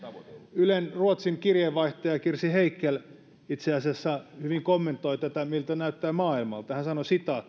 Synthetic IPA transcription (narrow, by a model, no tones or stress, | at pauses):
ylenruot̪siŋkirjeʋʋɑiht̪ɑjɑkirsiheikːel | it̪seɑsæsːæhyʋiŋkomːent̪ːˑoit̪æt̪æmilt̪ænæyt̪ːæːmɑːilmɑlt̪ɑhænsɑnosit̪ɑt